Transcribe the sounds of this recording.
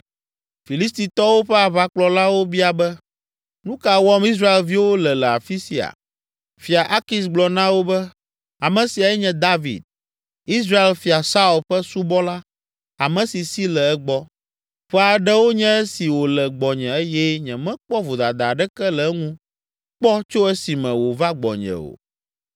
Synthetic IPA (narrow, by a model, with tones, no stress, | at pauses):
fi˨li˦st̪i˨t̪ɔ˦wo˦ɸɛ˦a˨βa˦k͡plɔ˨la˦wo˦bi˦a˨bɛ˦ | nũ˦ka˨wɔ˦mi˦s̬ɾa˦e˨lvi˦wo˦lɛ˨lɛ˨a̰˨fi˦si˨a̰˨ | fi˨a˨ʔa˦ki˦s̬ɡ͡blɔ˨nã˦wo˦bɛ˦ | a˨mɛ̃˨si˨a˨jɛ˦ɲɛ̃˦d̪a˦vḭ˨d̪̚ | i˦s̬ɾa˦e˦˨lfi˨a˨sa˦u˨lɸɛ˦su˦bɔ˦la˦ | a˨mɛ̃˨si˨si˦lɛ˨ɛ˦ɡ͡bɔ˦ | ɸɛ˦a˨ɖɛ˦wo˦ɲɛ̃˦ɛ˦si˨wo˨lɛ˨ɡ͡bɔ˨ɲɛ̃˨ɛ˦jɛ˦ɲɛ̃˨mɛ̃˦k͡pɔ˦vo˨d̪a˨d̪a˨ɖɛ˦kɛ˦lɛ˨˦ŋũ˦ | k͡pɔ˦t͡ʃo˦ɛ˦si˨mɛ̃˨wo˨va˦ɡ͡bɔ̰˨ɲɛ̰̃˨o̰˨